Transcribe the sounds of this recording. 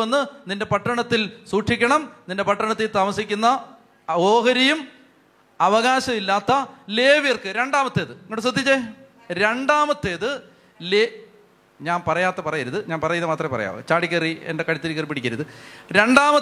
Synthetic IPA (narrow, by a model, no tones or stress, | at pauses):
ɐnːɨninde̞pɐʈːɐɳɐt̪ːilsuːʈʂikʲːɐɳɐmninde̞pɐʈːɐɳɐt̪ːilt̪aːmɐsikʲːunːɐ | oːɦɐɾijum | ɐʋɐɣaːɕɐmilːaːt̪ːɐle̞ːʋirkɨɾe̞ɳɖaːmɐt̪ːeːðɨeŋːoɽɨsrɐd̪ʱit͡ɕːe | ɾe̞ɳɖaːmɐt̪ːeːðɨ | le | ɲaːnpɐrɐjaːt̪ːɐpɐrɐjɐɾuðɨɲaːnpɐrɐjɐðɐmaːt̪rɐmpɐrɐ̰ja̰ːʋɨ̰t͡ɕaːɽikʲːɐriḛndekɐɽit̪ːilikːɐripːiɽikʲːɐɾuðɨɾe̞ɳɖaːmɐ